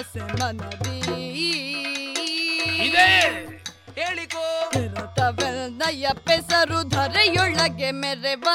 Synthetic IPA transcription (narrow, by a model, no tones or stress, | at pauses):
semɐnɐdi | id̪e | keːɭikoeɾɐt̪ɐʋenɐjɐpesɐɾud̪ʱɐɾejɔɭːɐɡemeɾeʋɐ